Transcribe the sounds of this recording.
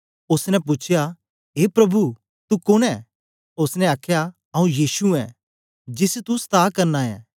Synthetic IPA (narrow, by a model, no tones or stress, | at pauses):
ʊsnɛpʊt͡ʃʰja | ɦeːpɾɐbʱu | t̪ukʊnɛ | ʊsnɛ̃aːkʰja | ɐũjiːsuɛ̰ | d͡ʒɪst̪ust̪aːkɐɾnaːɛ̰̃ː